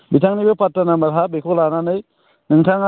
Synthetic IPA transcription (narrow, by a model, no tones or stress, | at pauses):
bitʰaŋnibɯpatːanamɐɾɦabekʰɔlananɯj | nɯŋtʰaŋa